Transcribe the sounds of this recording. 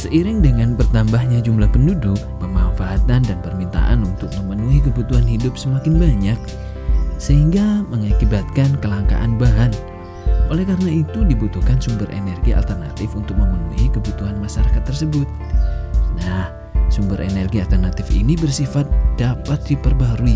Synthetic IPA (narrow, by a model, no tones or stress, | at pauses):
səʔiɾɪŋdəŋanbərt̪ambahɲad͡ʒumlahpəndudʊk̚pəmafaɦat̪andanpərmint̪a̰ʔa̰nunt̪ʊk̚məmənuɦikəbut̪uɦanɦidʊp̚səmakɪnbaɲak̚ | səhiŋɡaməŋakibat̪̚kankəlaŋka̰ʔanbaɦan | ʔolɛhkaɾənait̪udibut̪uhkansumbəɾʔḛnɛrɡia̰lt̪ərna̰t̪ɪfunt̪ʊk̚məmənuɦikəbut̪uɦanmasaɾakat̪ːərsəbʊt̪̚ | nah | sumbəɾʔḛnɛrɡialt̪ərnat̪ɪfḭnibərsifat̪̚d̥apat̪̚dipərbaɾui